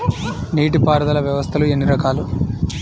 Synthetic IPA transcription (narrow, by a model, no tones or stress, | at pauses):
niːʈipaːɾd̪ɐlɐʋjɐʋɐst̪ʰɐluenːiɾɐkaːlu